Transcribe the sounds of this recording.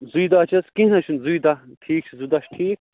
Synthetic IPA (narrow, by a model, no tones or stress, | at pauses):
zuid̪at͡ʃɐskĩnɐt͡ʃʰunzuid̪aʈʰiːk̚t͡ʃʰizud̪ɐʃʈʰiːk̚